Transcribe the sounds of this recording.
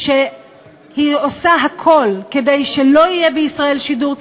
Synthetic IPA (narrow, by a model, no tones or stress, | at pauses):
ʃe | hiosaɦakʰo̞lke̞de̞jʃelo̞ijebeisʁae̞lʃiduʁt͡s